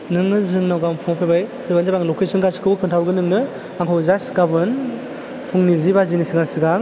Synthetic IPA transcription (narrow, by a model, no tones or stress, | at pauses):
nɯŋnɯzɯŋnawɡampʰuŋapʰebaj | dɯbanzabaŋlɔkʰesɯnɡaskʰɯwbɯkʰɯntʰawɡɯnɯŋnɯ | aŋkʰɔwzasɡabɯn | pʰuŋnizibazinisiɡaŋsiɡaŋ